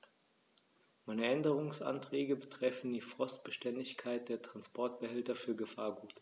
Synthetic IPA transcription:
maɪnəʔɛndəʁʊŋsʔa̰ntʁ̥ɛːɡəbətʁ̥ɛfn̩diːfʁ̥ɔst̚b̥əʃtɛndɪçkʰaɪt̚d̥eːɐtʁ̥anspʰɔɐt̚b̥əɦɛltɐfyːɐɡəfaːɐɡuːt

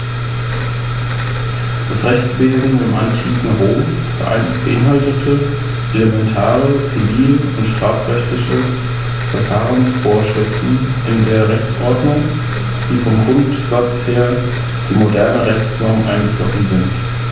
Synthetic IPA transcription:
d̥asʁɛçt͡sv̥eːzn̩demʔanʃiːsn̩ʁoːm | fə̰ʔa̰ɪnb̥əʔɪnɦaltətʰə | ʔeləmɛntʰaːʁət͡siviːləʊntʃtʁ̥aːfʁ̥ɛçtɪçə | fɛɐfaːʁənsfoːɐʃʁ̥ɪftn̩ | ʔɪndeːɐʁɛçt͡sʔɔɐdnʊŋ | d̥iːfɔmɡʁʊnt | z̥at͡sheːɐ | d̥iːmodɛɐnəʁɛçt͡sfɔɐmʔaɪnɡəflɔsn̩zɪnt

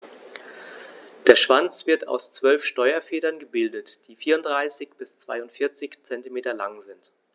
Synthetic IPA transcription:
d̥eːɐʃv̥ant͡sv̥ɪɐtʰa̰ʊst͡sv̥œlfʃtɔʏɐfeːdɐnɡəbɪldətd̥iːfiːɐʊntd̥ʁaɪsɪçb̥ɪst͡sv̥a̰ɪʊntfɪɐt͡sɪçt͡sɛntimeːtɐla̰ŋzɪnt

